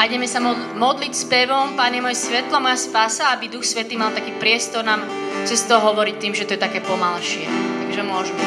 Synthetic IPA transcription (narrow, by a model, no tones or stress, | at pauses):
ajɟɛmɛsaɔ | mɔd̪licspɛʋɔmpaɲɛmɔjɛsʋɛt̪lamɔjaspasaabid̪uxsʋɛt̪iːmalt̪akiːpɾɪɛst̪ɔɾnaːm | t͡sɛst̪ɔɦɔʋɔɾic̚t̪iːmʒɛt̪ɔjɛt̪akɛːpɔmalʃɪɛ̰t̪aɡʒɛmʊɔʒmɛ